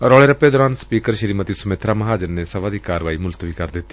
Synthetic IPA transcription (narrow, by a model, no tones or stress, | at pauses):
ɾɔːɭeːɾəpːeːd̪ɔːɾaːnspiːkəɾʃəɾiːmət̪isʊmeːt̪ʰɾaːməɦaːd͡ʒəɾnesəʋaːd̪iːkaːɾəʋaːimʊlt̪ʋiːkəɾd̪ɪt̪ːi̥